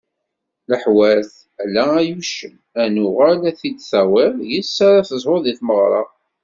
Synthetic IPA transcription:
ləħwæθ | ælːææjuʃən | ænʊʁælæθid̪θæwɪɾjəsːaɾæθəzˤoðiθməʁɾˤɑ̰

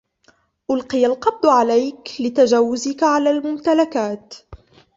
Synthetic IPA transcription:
ʔʊlqɨjalqɑb̚d̪ˤʕalajklɪt̪ad͡ʒaːwʊzɪkaʕalaːlmʊmt̪alakaːt̪

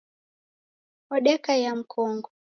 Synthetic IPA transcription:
ɔɗɛkajam̩kʰɔŋɡɔ

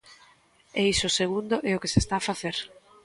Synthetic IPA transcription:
eisʊseɣund̪ʊʔɛʊkesest̪aːfaθeɾ

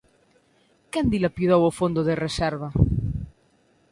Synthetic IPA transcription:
kand̪ilapiðowofond̪oðereseɾβ̞a

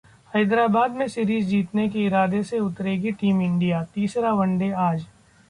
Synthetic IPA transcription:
hɐɪd̪ɾaːbaːd̪mẽsɪɾiːzd͡ʒiːt̪nekeɪɾaːd̪eseʊt̪ɾeːɡiʈiːmɪ̃ɳɖijat̪iːsɾaʋɐ̃ɳɖeaːd͡ʒ

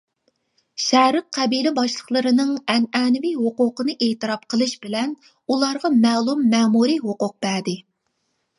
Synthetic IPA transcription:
ʃɛːɾɨq̚qʰːæbilɪbɑʃlˠəχlˠəɾɨnɨŋɛnɛnɪviɦoqʊqənɨʔeːt̪ɨɾɑp̚qʰəlˠɨʃbɪlɛn | ulˠɑɾʁɑmɛːlˠumːɛːmuɾiɦoqʊq̚b̥æɾd̪ɪ

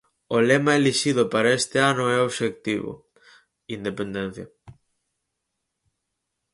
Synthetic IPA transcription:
olemɐeliʃið̞ʊpaɾɐest̪ɪanʊɛoβʃek̚t̪iβʊ̰ | ind̪epend̪en̟θjɐ̰

